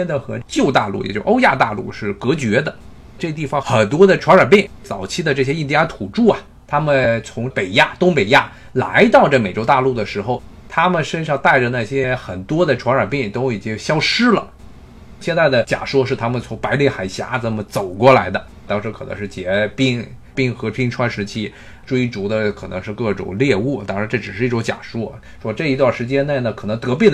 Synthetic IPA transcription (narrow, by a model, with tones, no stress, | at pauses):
ɛ˥nd̪xɤ˧˥t͡ɕjo˥˧ʊt̪a˥˧lṵ˥˩jɛ̰˨˩t͡ɕo˥˧˩ʔo˥ʊja̰˥˧t̪a̰˥˧lṵ˥˧ʂɻ̩˥˩kɤ˧˥t͡ɕɥɛ˧˥d̪ə˧ | ʈ͡ʂɤ˥˧t̪i˥˩fɑ˨˩ŋxə˨˩nt̪wɔ˥d̪ə˨ʈ͡ʂʰwa˧˥nə˞˨˩pi˥˩ŋ | t͡sɑ˨˩ʊt͡ɕʰi˥d̪ə˨ʈ͡ʂɤ˥˩ɕjɛ˥i˥˩nt̪ɛ˥˧˥t̪ʰu˨˩ʈ͡ʂu˥˩ɐ˨ | t̪ʰa˥mə˨nt͡sʰʊ˧˥ŋpe˨˩ɪja˥˩t̪ʊ˥ŋpe˨˩ɪja˥˩ | la̰˧˥ɪt̪ɑ˥˧ʊʈ͡ʂɤ˥˩me˨˩ɪʈ͡ʂo˥ʊt̪a˥˧lu˥˩d̪ə˩ʂɻ̩˧˥xo˥˧ʊ | t̪ʰa˥mə˨nʂə˥nʂɑ˥˧ŋt̪a˥˩ɪʈ͡ʂə˩na˥˩ɕjɛ˥xə˨˩nt̪wɔ˥d̪ə˨ʈ͡ʂʰwa˧˥nə˞˨˩pi˥˩ŋt̪o˥ʊi˨˩t͡ɕi˥ŋɕjɑ˥ʊʂɻ̩˥lə̰˨ | ɕjɛ˥˧nt͡sa˥˩ɪd̪ə˩t͡ɕja̰˨˩ʂwɔ˥ʂɻ̩˥˩t̪ʰa˥mə˨nt͡sʰʊ˧˥ŋpa˧˥ɪli˥˩xa˨˩ɪɕja̰˧˥t͡sə˨˩mə˦t͡so˨˩ʊkwɔ˥˩la˧˥ɪd̪ə˧ | t̪ɑ˥ŋʂɻ̩˧˥kʰɤ˨˩ɤ̰˧˥ʂɻ̩˥˩t͡ɕjɛ˧˥pi˥˩ŋ | pi˥˩ŋxɤ˧˥pʰi˥ŋʈ͡ʂʰwa˥nʂɻ̩˧˥t͡ɕʰi˥ | ʈ͡ʂwe˥ɪʈ͡ʂu˧˥d̪ə˧kʰɤ˨˩nɤ̰˧˥ŋʂɻ̩˥˧kɤ˥˩ʈ͡ʂʊ̰˨˩ŋljɛ˥˧u˥˩t̪ɑ˥ŋʂɻ̩˧˥ʈ͡ʂɤ˥˩ʈ͡ʂɻ̩˨˩ʂɻ̩˥˧i˥˩ʈ͡ʂʊ˧˥ŋt͡ɕja̰˨˩ʂu˥˩ | ʂwɔ˥ʈ͡ʂɤ˥˩i˧˥t̪wa˥˩ʂɻ̩˧˥t͡ɕjɛ˥ne˥˩ɪnə˩kʰɤ˨˩nɤ˧˥ŋt̪ɤ˧˥p̬jɛ˥˩